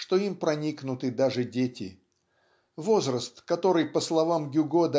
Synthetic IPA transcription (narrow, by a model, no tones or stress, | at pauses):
ʂt̪o̞impɾɐnʲiknʊt̪ɨd̪aʐɨdʲetʲɪ | vo̞zrəst̪kɐt̪o̞ɾɨjpəslˠɐvamɡʲʊɡod̪ɐ